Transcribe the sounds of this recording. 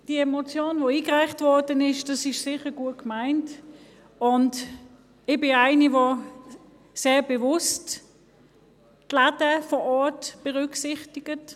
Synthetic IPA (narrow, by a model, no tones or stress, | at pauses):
d̥iəɛmot͡sjoːnvoiːɡʁaɪχtvɔɐdənɪʃd̥ɑsɪʃsɪχəɡ̥uətkmaɪnt | ʊnt | ɪb̥ɪnaɪnivo | seːɐbəvʊst | tladəfɔɔɐtb̥əʁʏksɪχtɪɡ̥ət